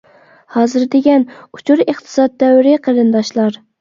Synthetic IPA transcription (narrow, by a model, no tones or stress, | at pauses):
hɑːzɨɾd̪ɪɡʲɛnu̥t͡ʃʰuɾeχt̪ʰɨ̥sɑd̪̚d̪ɛwɾɪqʰəɾɨnd̪ɑʃlˠɑɾ